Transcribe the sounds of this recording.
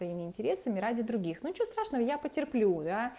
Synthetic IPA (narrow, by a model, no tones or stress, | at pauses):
vɐimʲɪɪnʲtʲɪɾʲe̞səmʲɪɾadʲɪd̪ɾʊɡʲixnuɲʲɪt͡ɕvost̪ɾaʂnəvəjapətʲɪrplʲud̪a